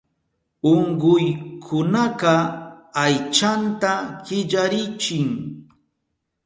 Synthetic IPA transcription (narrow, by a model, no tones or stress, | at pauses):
oɴɢʊjkʰʊnaqɑajt͡ʃant̪aɢ̥ɪʎaɾɪt͡ʃɪŋ